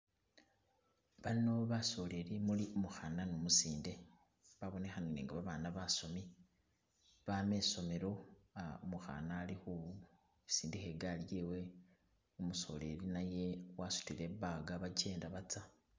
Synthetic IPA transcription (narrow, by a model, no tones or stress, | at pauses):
βano̞βaso̞le̞ɾimuliomuxananomusiːnde̞ | βaβo̞ne̞xanineːŋɡaβaβaːnaβaso̞mi | βame̞so̞me̞ɾo̞aomuxa̰naːlixuβu | esiːndihe̞ɡaljewe̞ | omuso̞̰le̞̰ɾinaje̞wasu̥tiɾe̞βaɡaβaɟe̞ːndaβat͡sa